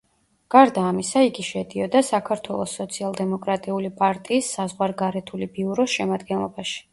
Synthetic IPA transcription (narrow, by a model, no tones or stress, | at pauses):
ɡ̥aɾd̪aːmisaiɡiʃɛd̪iɔd̪asakʰaɾt̪ʰwɛlˠɔsːɔt̪sʰialˠd̪ɛmɔkʼɾat̪ʼiulipʼaɾt̪ʼiːsːazʁwaɾɡaɾɛt̪ʰulibiuɾɔsʃɛmad̪ɡɛnlˠɔbaʃi̥